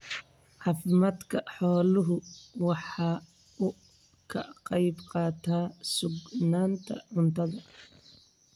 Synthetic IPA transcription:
ʕɑːfɪmaːd̪kʰɐħɔːlʊɦʊwɑħɑː | ʊ | kʰɐqɑjbqɑːt̪ʰaːsʊɡnaːnt̪ʰɐ̰ʕʊnt̪ʰɐðɐ

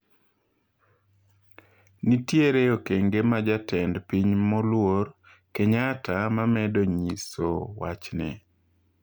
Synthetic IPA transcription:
nitjeɾeokeŋɡemad͡ʒatɛndpiɲmɔlwor | keɲatamamɛdoɲiso̰wa̰t͡ʃnɪ̰

